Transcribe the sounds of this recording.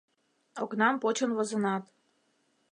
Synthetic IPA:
oknɑmpot͡ɕənβozɤ̆nɑt̪

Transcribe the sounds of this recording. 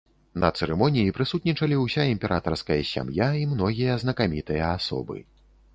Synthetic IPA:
nɐ̰t̪sɛɾɛmɔnʲijipɾɨsut̪̚nʲit͡ʂɐlʲiwsʲaimʲpʲɛɾʔat̪ɐrskɐjɐsʲa̰mjaimnɔɣʲijɐznɐkamʲit̪ɨjɐasɔ̰bɨ̰

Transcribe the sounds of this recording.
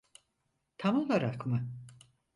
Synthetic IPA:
t̪ʰamolˠaɾakmɯ

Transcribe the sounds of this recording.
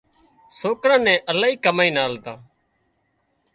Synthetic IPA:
soːkɾãːnɛ̃ːʔəlaːiːkəmaːĩːnaːlt̪aː

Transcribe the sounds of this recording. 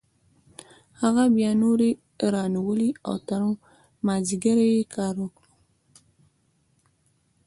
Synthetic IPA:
haɣabjɑnoɾe | ɾɑnawəlia̰wt̪aɾu | mɑziɡaɾajekʰɑɾwəkɽu

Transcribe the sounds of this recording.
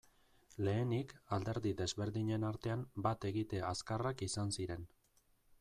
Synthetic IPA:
le̞ːnikald̪e̞ɾðiðe̞zβe̞ɾðiɲe̞naɾt̪e̞ambat̪e̞ɣit̪e̞askarakisansiɾe̞n

